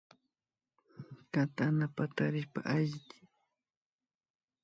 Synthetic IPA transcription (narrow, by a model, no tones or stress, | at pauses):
kat̪anapat̪aɾɪʃpa̰ʔaʒt̪ɪ̥